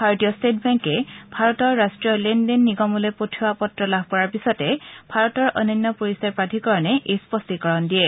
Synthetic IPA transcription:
bʱaɹtijɔstet̚ʰbɛŋkɛbʱaɹɔtɔɹːastɹijɔlendenːiɡɔmɔlojpotʰiwapɔtɹɔlabʱkɔɹaɹpisɔtɛbʱaɹɔtɔɹʔɔ̰nɔnːɔpoɹisaɹpɹatʰikɔɹɔnɛʔejspɔstikɔɹɔndiɛ

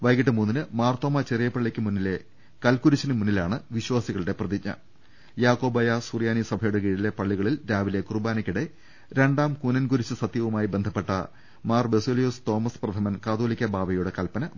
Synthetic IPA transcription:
ʋɐjkiʈːɨmuːnːinɨmaːrt̪oːmɐt͡ɕerijɐpːɐɭːikʲːɨmunːile | kɐlkuɾut͡ɕːinɨmunːilaːɳɨʋiɕwaːsiɣɐɭiɽe̞prɐðiɲːɐ̰ | jaːko̞ːbɐjasurjaːnisɐbʱɐjuɽek̬iːɽile̞pɐɭːiɣɐɭilɾaːʋile̞kurbaːnɐkʲːiɽe̞ | ɾe̞ɳɖaːmkunɐnɡuɾit͡ɕːɨsɐt̪jɐʋumaːjibe̞nd̪ʱɐpːe̞ʈːɐ̰ | maːrbesoːlijust̪o̞ːmɐsprɐd̪ʱɐmɐnkaːd̪oːlikʲːɐbaːbɐjuɽe̞kɐlpɐnɐ

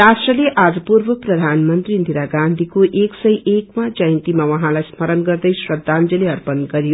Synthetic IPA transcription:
rasʈrʌleʔad͡zʌpurbʌprʌd̪ʱanmʌnt̪rind̪ʱiɾaɡand̪ʱikoʔeksʌjʔekmad͡zʌjnt̪imawʌɦãlajsmʌɾʌnɡʌrd̪ʌjsrʌd̪ʱːand͡zʌleʌrpʌnɡʌɾijo

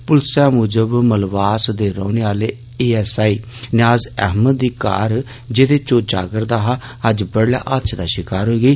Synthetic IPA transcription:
pʊlsaːmuːd͡ʒəbməlʋaːsd̪eːɾɔ̃ːneːaːleː | eːɛːsaːiːnɪaːzɛ̰ːɦməd̪ːiːka̰ːɾ | d͡ʒeːd̪eːt͡ʃoːd͡ʒa̰ːɡəɾd̪aːɦaːəd͡ʒbəɽla̰ːʔətːt͡ʃʰd̪aːʃɪkaːɾɦoːiːɡəiː

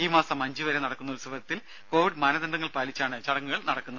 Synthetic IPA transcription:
iːmaːsɐmːɐɲd͡ʑiʋɐɾenɐɽɐkːunːɐlsuʋɐɾɐt̪ːil | ko̞ːʋiɖmɐnɐd̪ɐɳɖɐŋːɐɭpaːlit͡ɕːaːɳɨt͡ɕɐɽɐŋːuɣɐɭnɐɽɐkːunːɐ

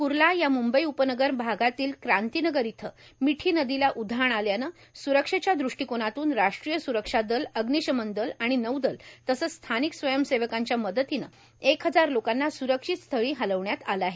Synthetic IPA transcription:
kuɾlajamumbəiupənəɡəɾbʱaɡat̪iːlkɾant̪inəɡəɾit̪ʰəmiʈʰiːnəd̪ilaʔud̪ʱaɳaljanə | suɾəkʂet͡ɕjad̪ɾuʂʈikoɽ̃at̪uːnɾaʂʈɾijəsuɾəkʂad̪ələɡniɕəmənd̪əlaɽ̃inəwd̪əlt̪əsəst̪ʰaniksʋəjəmseʋəkaɲt͡ɕjaməd̪ət̪inə̰ | ekɦəd͡zaɾlokanːasuɾəkʂit̪st̪ʰəɭiːɦaləʋɳjat̪aləaɦe

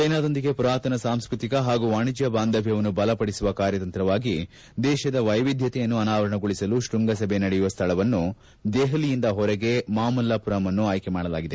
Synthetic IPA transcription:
kɐjnaːd̪ɐnd̪iɡepɾaːt̪ɐnɐsaːmskɾut̪ikɐɦaːɡuʋaːɳid͡ʒjɐbaːnd̪ɐbʱjɐʋɐnːubɐlɐpɐɽisuʋɐkaːɾjɐt̪ɐnt̪ɾɐʋaːɡi | d̪ɛːʃɐd̪ɐʋɐjʋid̪ʱjɐt̪ɛjɐnːuɐnaːʋɐɾɐɳɐɡoɭisɐluʃʈuŋɡɐsɐbʱenɐɽɛjuʋɐst̪ʰɐɭɐʋɐnːu | d̪eːɦɐlijind̪ɐɦɔɾɛɡe̞maːmɐlːɐpuɾɐmɐnːuaːjkemaːɽɐla̰ːɡid̪e̞

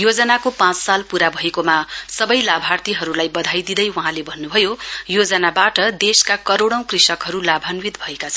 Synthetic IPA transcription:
jod͡zʌnakopãt͡ssalpuɾabʱʌekomasʌbʌjlabʱart̪iɦʌɾulajbʌd̪ʱajd̪id̪ʌjwʌɦãlebʱʌnːubʱʌjojod͡zʌnabaʈʌd̪eskakʌɾoɽʌ̃w̃krisʌkɦʌɾulabʱanwit̪bʱʌekat͡sʰʌn

